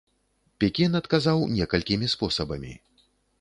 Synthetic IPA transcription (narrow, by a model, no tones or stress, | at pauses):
pʲɛkʲinɐt̪kazawnʲɛkɐlʲkʲimʲispɔsɐbɐmʲḭ